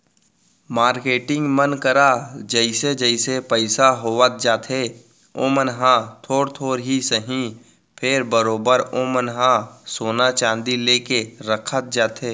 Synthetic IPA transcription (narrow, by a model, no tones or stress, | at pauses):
maːɾkeːʈɪ̃ŋɡmənkəɾad͡ʒəɪsed͡ʒəɪsepəɪsaɦoːʋət̪̚d͡ʒaːt̪ɦe | oːmənɦãt̪ʰoːɾt̪ʰoːɾɦisəɦĩ | pʰɪɾbəɾoːbəɾoːmənɦãsoːnat͡ʃãːnd̪ileːkeɾəkʰət̪̚d͡ʒaːt̪eː